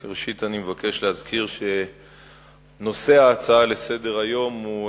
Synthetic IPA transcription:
ʁeʃitanimevake̞ʃleɦazkʰiʁʃe̞ | no̞se̞aːt͡saale̞se̞de̞ʁajo̞mu

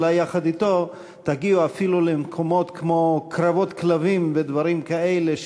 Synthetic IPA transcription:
lajaχad̪it̪o̞ | t̪aɡiuafilulemkʰo̞mo̞t̪kmo̞kɾavo̞t̪klavimved̪vaɾimkaeleʃ

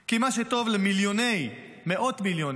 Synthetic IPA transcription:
kimaʃet̪o̞vlemiljonej | meʔo̞t̪miljon

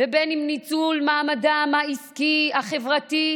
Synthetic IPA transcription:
vebenimnit͡sulmaːmadamaiskiaχe̞vʁat̪i

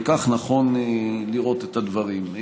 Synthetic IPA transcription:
kaχnaχo̞nliʁo̞t̪et̪ad̪vaʁim

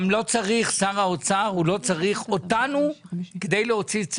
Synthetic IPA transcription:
mlo̞t͡saʁiχsaʁaot͡saʁulo̞t͡saʁiχo̞tanuked̪ejleo̞t͡sit͡s

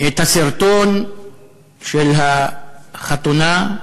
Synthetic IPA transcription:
et̪aseɾt̪on | ʃelɦa | χat̪una

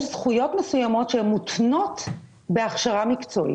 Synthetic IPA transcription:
ʃzχujo̞tmesujamo̞tʃeemːut̪no̞t̪ | beaχʃaʁamikt͡soʔḭ

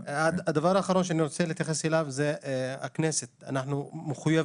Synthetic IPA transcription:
adad̪avaʁaːχaɾo̞nʃ̬eaniɾo̞t͡selet̪jaχeselavzea̰kneset̪a̰naħnumeχuja

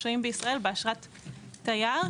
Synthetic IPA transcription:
oimbeisʁae̞lbeaʃʁat̪ː | ajaʁ

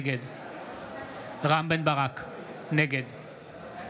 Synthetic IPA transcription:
ɡed̪ | ʁambenbaʁakneɡed̪

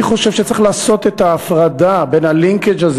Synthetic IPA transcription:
iχo̞ʃevʃet͡sʁiχlaːso̞t̪et̪aːfʁad̪abe̞nhaliŋked͡ʒaz

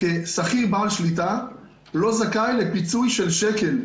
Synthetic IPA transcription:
kesaχibaːlʃlit̪a | lo̞zakajlepit͡sujʃelʃekel

